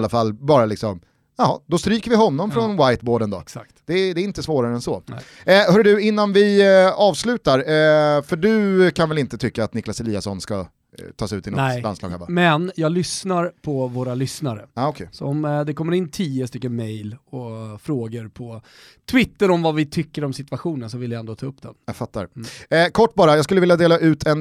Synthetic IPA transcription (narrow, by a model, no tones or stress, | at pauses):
lːafalːbɑːɾalɪksɔm | jɑɦɑd̪ɔst̪ɾyːkəɾvɪɦɔnːɔmfɾɔnwajt̪̚boːɖənd̪ɔsakt̪d̪̥ɛd̪ɛːɾɪnt̪əsvoːɾaɾəɛnsɔ | hœːɾɖɵɪnːanvɪɑːvslʉ̟ːt̪aɾfœɖɵkʰanvɛlɪnt̪ət̪ʰʏkːaːt̪nɪklasɛliːasɔnska | t̪ʰɑːsʉ̟ːt̪ʰːɪɔa̰nslɑ̰ːɡavamɛnjɑːɡlʏsnaɾpʰɔvoːɾalʏsnaɾə̰aːɔkʰɛjsɔɔmd̪ɛkʰɔmːəɾɪnːt̪ʰiːəst̪ʏkːənmɛjlɔfɾoːɡəɾpʰɔ | t̪ʰvɪt̪ːəɾɔmvavɪt̪ʰʏkːəɾɔmsɪt̪vaɧuːnənsɔvɪljaɛnd̪oːt̪ʰɑːɵpːd̪̥ɛ̰njafat̪ːa̰ɾkʰɔʈːbɑːɾajɑːɡskɵləvɪljad̪eːlaʔʉ̟ːt̪ʰɛn